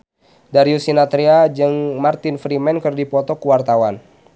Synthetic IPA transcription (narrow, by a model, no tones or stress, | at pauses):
daɾiusinat̪ɾiad͡ʒɨŋmart̪ɪnfɾimɛnkɨrdipɔt̪ɔkuwart̪awan